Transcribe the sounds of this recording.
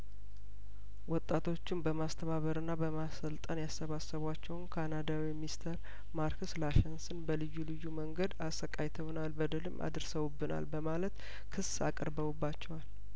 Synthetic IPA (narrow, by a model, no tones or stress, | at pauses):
wɔt̪ʼːat̪ʰo̞t͡ʃːɪnbəmast̪ʰəβaβəɾɨnːabəmasəlt̪ʼənjasːəβasːəβwat͡ʃːɛwnkʰanad̪awimist̪ʰəɾ | maɾkʰəslaʃɛnsɨnbəlɨjːulɨjːuməŋɡəd̪asːəkʼajt̪ʰəwnalbəd̪ɨlɨmːʔa̰d̪ɨɾsəwubːɨna̰lbəmalət̪ | kʰɨsːa̰kʼəɾbəβubːat͡ʃːɛwal